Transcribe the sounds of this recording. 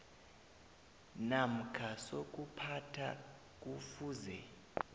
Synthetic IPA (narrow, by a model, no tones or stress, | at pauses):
nam̩kʰasok̬ʼupʰatʰa̰ | k̬ʼufuːzɛ